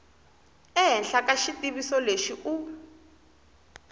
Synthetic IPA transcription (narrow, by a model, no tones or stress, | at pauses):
ɛɦɛnɬakaʃitiβisɔleʃiʔu